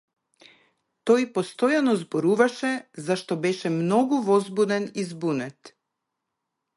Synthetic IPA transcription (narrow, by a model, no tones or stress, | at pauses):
t̪ojpost̪ɔjanɔzboɾuvaʃɛzaʃt̪ɔbɛʃɛmnɔɡuvɔzbud̪ɛnizbunɛt̪